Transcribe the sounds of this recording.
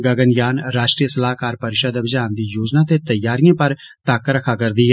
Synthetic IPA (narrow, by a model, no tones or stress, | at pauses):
ɡəɡənjaːnɾaːʃʈɾijəsəlaːkaːɾpəɾʃəd̪əʋɪd͡ʒaːnd̪iːjoːd͡ʒnaːt̪et̪əjːaːɾijãːpəɾ | t̪aːkɾəkʰaːkəɾd̪iːɦɛ